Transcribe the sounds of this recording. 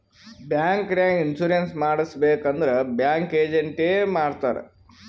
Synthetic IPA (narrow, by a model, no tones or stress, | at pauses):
bjaːŋkɾaːŋɡinsuɾensmaːɽisɐbeːkɐnd̪ɐɾebjaːŋkeːd͡ʒeɳʈeːmaːɽt̪aːɾḛ